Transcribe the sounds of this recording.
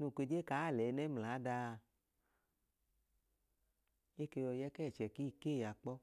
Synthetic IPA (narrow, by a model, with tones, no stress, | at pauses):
nu˧˨kʷe˧d͡ʒe˦kaː˨˦˨lɛ˨˦nɛ˦m˨la˨˦da˧ | e˦ke˧jɔ˧jɛ˦kɛ˦˨t͡ʃɛ˨ki˦˨ke˦˨ja˨k͡pɔ˧